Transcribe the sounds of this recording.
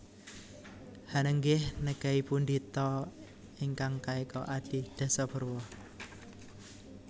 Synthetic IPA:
hanəŋɡɪhnəɡ̥aipund̪it̪ɔ | iŋkaŋkaekɔʔad̥i̤d̪̥a̤sɔb̥ə̤rwɔ

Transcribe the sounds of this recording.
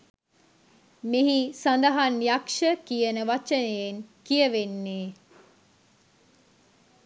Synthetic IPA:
meɦisand̪əɦanjakʂəkijənəʋat͡ʃənejeŋkijəʋenːeː

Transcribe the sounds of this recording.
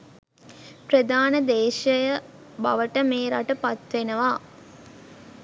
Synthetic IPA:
pɾəd̪aːnəd̪eːʃəjə | ba̰ʋəʈəmeːɾaʈəpat̪ʋenəʋaː

